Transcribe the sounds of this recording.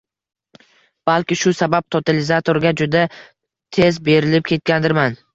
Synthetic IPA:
b̥alˠkʲɪʃʊsabap̚t̪ʰot̪ʰalɪzat̪ʰoɾɡʲad͡ʒʊd̪a | t̪ʰe̞zbe̞ɾɪlɪp̚kʲʰe̞t̪̚kʲand̪ɪɾman

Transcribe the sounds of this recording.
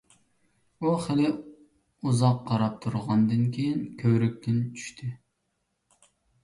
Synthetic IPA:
uχɪlɪ | uzɑqqʰːɑɾɑp̚t̪ʰuɾʁɑnd̪ɨnkʲʰejinkʲʰøwɾyk̚ʲt̪ʰɪnt͡ʃʰy̥ʃt̪ʰɪ

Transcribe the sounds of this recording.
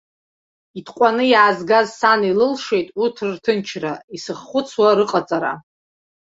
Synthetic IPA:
itʰqʷʼanɨjaːzɡazsanilɨlʂejtʼutʰrrtʰɨnt͡ʃʰraisɨχːʷʊt͡sʰwaɾɨqʼat͡sʼaɾa̰

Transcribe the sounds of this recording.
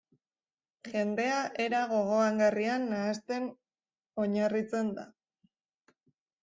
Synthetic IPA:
ʝe̞nd̪e̞aʔe̞ɾaɣ̞o̞ɣ̞o̞aŋɡarianːaːst̪e̞n | o̞ɲarit͡se̞nd̪a̰

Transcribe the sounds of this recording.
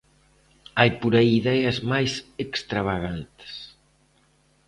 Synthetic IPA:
ajpuɾaiːðɛjɐzmajsekst̪ɾaβaɣant̪ɪ̥s

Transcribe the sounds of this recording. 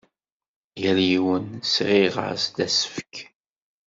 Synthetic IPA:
jæljiwənsʁiʁə̰ɾsd̪æsə̥fə̥k

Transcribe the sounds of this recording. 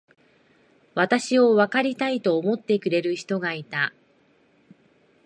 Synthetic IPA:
βat̪aɕio̞βakaɾʲit̪ait̪o̞ːmo̞t̪ːe̞kɯ̟ɾe̞ɾɯ̟çi̥t̪o̞ɡait̪a

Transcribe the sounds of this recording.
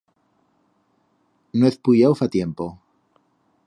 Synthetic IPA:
noeθpuʎawfat̪jempo

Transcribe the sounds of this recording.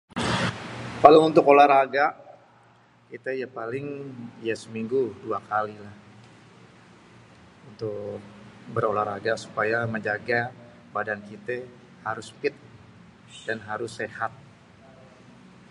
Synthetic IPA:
kalaunt̪ʊkolaɾaɡaʔ | kit̪əjapalɪŋijasəmiŋɡuduakalilah | unt̪ʊk̚bəɾolaɾaɡasu̥pajaməɲd͡ʒaɡa | badankit̪e | haɾʊspɪt̪̚ | d̥anɦaɾʊsːehat̪̚

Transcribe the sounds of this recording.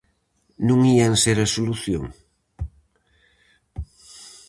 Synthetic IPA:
nũŋianseɾɐsoluθjoŋ

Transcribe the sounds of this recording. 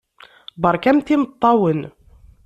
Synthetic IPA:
bəɾˤkæmθimət̪ˤːɑwən

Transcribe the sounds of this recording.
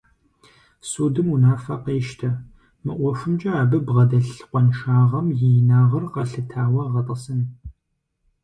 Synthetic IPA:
suːdɨmunaːfɐqeːʃtʰɐ | mɨʔʷɔʂʷʊmt͡ʃʼɐaːbɨbʁɐdɐɬqʷɔnʃaːʁɐmjejnaːʁɐrqɐɬɨtʰaːwɐʁɐtʼɐsɨn

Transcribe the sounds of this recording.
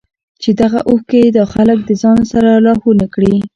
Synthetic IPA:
t͡ʃed̪aɣaʔuhked̪ɑxalək̚d̪əzɑnosaɾalɑhunakɽi

